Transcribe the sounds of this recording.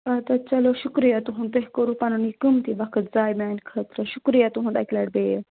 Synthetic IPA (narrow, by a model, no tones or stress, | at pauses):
at̪at͡ʃɐloʃukɾijat̪uɦũnt̪eɦkəɾupanunikɨmt̪ibakʰət̪d͡zaːjmaːnkʰət̪ɾəʃukɾijat̪uɦũnd̪aklaɽbej